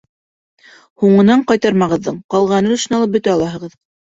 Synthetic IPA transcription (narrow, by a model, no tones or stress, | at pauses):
huɴɤ̆nɑɴqɑjt̪ɑɾmɑʁɤ̆ðːɤɴqɑlˠʁɑnɤŏʃɤ̆nɑlˠɤp̚bɵ̆t̪æɑlˠɑɦɤ̆ʁɤð